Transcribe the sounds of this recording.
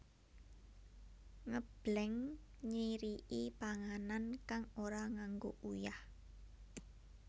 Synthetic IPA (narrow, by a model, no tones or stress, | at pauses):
ŋəb̥lɛŋ | ɲiɾiʔipaŋanankaŋoɾaŋaŋɡo̰ʔujah